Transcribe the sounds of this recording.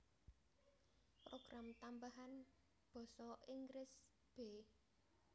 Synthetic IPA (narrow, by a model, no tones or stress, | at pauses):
proɡ̥ɾamt̪ambaɦan | b̥ɔ̤sɔʔiŋɡɾɪs | b̥e